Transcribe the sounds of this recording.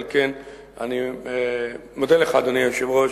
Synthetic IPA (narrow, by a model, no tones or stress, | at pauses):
lken | a̰ni | mod̪eleχaːd̪onijoʃevʁo